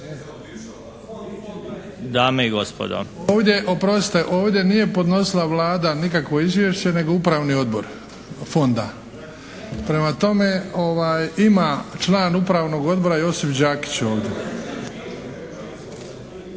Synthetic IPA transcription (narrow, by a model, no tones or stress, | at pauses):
d̪aːmeiɡospo̰d̪o̰oːʋd̪ʲje̞ʔopɾo̞st̪eʔo̞ːʋd̪ʲje̞nije̞po̞d̪no̞silaʋlˠaːd̪anikakʋo̞izʋjeʃt͡ɕe̞ne̞ɡo̞upɾaːʋnio̞d̪bo̞̰ɾ | fo̞nd̪a | pɾe̞mat̪o̞me̞o̞ʋaːjimat͡ʃlˠaːnupɾaːʋno̞ɡo̞d̪̚bo̞ɾajo̞sifd͡ʑaːki̥t͡ɕo̞ːʋd̪ʲe̞